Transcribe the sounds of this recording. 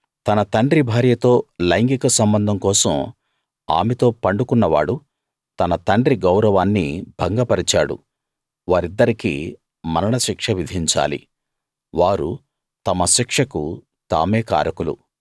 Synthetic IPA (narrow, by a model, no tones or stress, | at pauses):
t̪ɐnɐt̪ɐɳɖɾibʱaːɾjɐt̪o̞ːlɐjŋɡikɐsɐmbɐnd̪ʱɐŋkɔːsɐm | a̰ːmɛt̪o̞ːpɐɳɖukunːɐʋa̰ːɽu | t̪ɐnɐt̪ɐɳɖɾiɡɐwɾɐʋaːnːḭbʱɐŋɡɐpɐɾit͡ʃaːɽṵ | ʋaːɾid̪ːɐɾikḭ | mɐnɐɳɐʃikʂɐʋid̪ʱiɲt͡ʃa̰ːlḭ | ʋaːɾu | t̪ɐmɐʃikʂɐku | t̪a̰ːmeːka̰ːɾɐkulṵ